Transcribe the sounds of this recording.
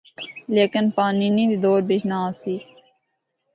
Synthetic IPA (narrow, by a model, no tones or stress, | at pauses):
leːkɪnpaːniːnĩːd̪iːd̪oːɾbɪd͡ʒnaːsiː